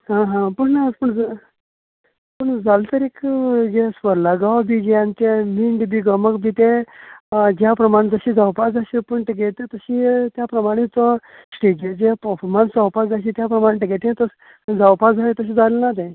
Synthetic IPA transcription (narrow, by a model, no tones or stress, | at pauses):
ɦãɦãpəɳnapəɳd͡z | pəɳd͡zalt̪əɾekd͡ʑesʋəɾlaɡawbʱid͡ʑeant̪emiɳɖbiɡəməkbʱit̪e | d͡ʑjapɾəmaɽ̃ed͡zəɕiːd͡zawpad͡zaɕipəɳʈ̪eɡet̪et̪əɕiːt̪japɾəmaɽ̃it͡sə | sʈed͡ʑed͡ʑepəɾfɔɾmansawpad͡zaɕit̪japɾəmaɽ̃ẽʈiɡeʈ̪ẽt̪əs | d͡zawpad͡zʱalet̪əɕ̬iːd͡zalelnat̪ẽ